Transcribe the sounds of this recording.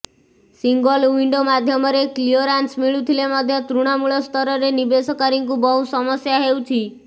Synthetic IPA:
siŋɡɔliɳɖomad̪ʱjɔmɔɾeklioɾansmiɭut̪ʰilemɔd̪ʱjɔt̪ɾuɽ̃amuɭɔst̪ʰɔɾɔɾenibesɔkaɾiŋkubɔɦusɔmɔsjaɦeut͡ʃʰi

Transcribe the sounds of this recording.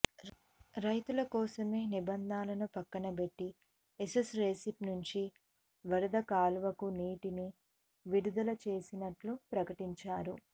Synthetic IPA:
ɾɐjt̪ulɐkɔːsɐme̞ːnibɐnd̪ʱaːlɐnupɐkːɐnɐbe̞ʈːi | esesɾeːsipnuɲt͡ʃi | ʋɐɾɐd̪ɐkaːlʋɐkuniːʈini | ʋiɽud̪ɐlɐt͡ʃe̞ːsinɐʈlupɾɐkɐʈiɲt͡ʃaːɾu

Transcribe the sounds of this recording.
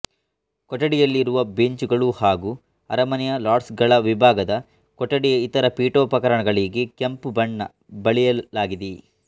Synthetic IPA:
kɔʈːɐɽijɐlːiːɾuʋɐbeɲt͡ʃuɡɐɭuhaːɡuː | ɐ̰ɾɐmɐnjɐlaːʈsɡɐɭɐʋibʱaːɡɐd̪ɐ | kɔʈːɐɽijɐit̪ɐɾɐpiːʈoːpɐkɐɾɐɳɐɡɐɭiːɡekempubɐɳːɐ̰ | bɐɭijɐlaːɡid̪i

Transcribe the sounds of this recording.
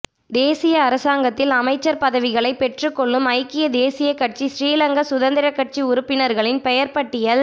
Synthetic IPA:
d̪eːsɪjɐːɾɐsaːŋɡɐt̪ːɪlɐmɐɪt͡ʃːɐɾpɐðɐʋɪɣɐɭɐɪpːɛʈrɯkːɔɭːɯmɐɪkːɪjɐd̪eːsɪjɐkːɐʈ̚t͡ʃisɾiːlɐŋɡɐsʊðɐnd̪ɪɾɐkːɐʈ̚t͡ʃiʊɾʊpːɪnɐɾɣɐɭɪnpɛjɐɾpɐʈːɪjɐl

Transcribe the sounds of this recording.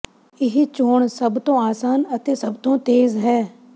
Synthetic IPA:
ɪɦit͡ʃoːɳsəbt̪õːaːsaːnət̪eːsəbt̪õːt̪eːzɦɛː

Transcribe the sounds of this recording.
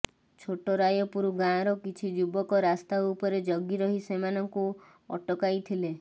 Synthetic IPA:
t͡ʃʰoʈɔɾajɔpuɾuɡãɾɔkit͡ʃʰid͡ʒubɔkɔɾast̪aupɔɾed͡ʒɔɡiɾɔɦisemanɔŋku | ɔ̰ʈɔkajt̪ʰile

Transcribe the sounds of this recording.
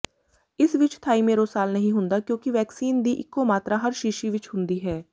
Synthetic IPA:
ɪsʋɪt͡ʃt̪ʰaːiːmeːɾoːsaːlnəɦĩːɦʊ̃nd̪aːkjõːkɪʋɛːksiːnd̪iːʔɪkːoːmaːt̪ɾaːɦəɾʃiʃiːʋɪt͡ʃɦʊ̃nd̪iːɦɛː

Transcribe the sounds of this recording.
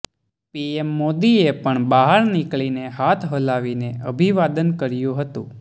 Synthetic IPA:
piemːod̪iepəɳbaɦaɾnikɭineɦat̪ʰɦəlaʋineəbʱiʋad̪ənkəɾjũɦət̪ṵ̃

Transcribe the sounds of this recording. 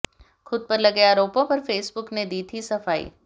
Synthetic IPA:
xʊd̪̚pɐɾlɐɡjaːɾoːpõpɐɾfeːsbʊkned̪iːt̪ʰisɐfaːḭ

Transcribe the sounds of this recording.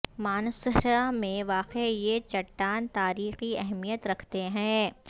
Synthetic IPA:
maːnsəɦɾamẽʋaːqejet͡ʃɐʈːaːnt̪aːɾiːxiɛɦmijət̪ɾɐkʰt̪eɦɛ̃ː

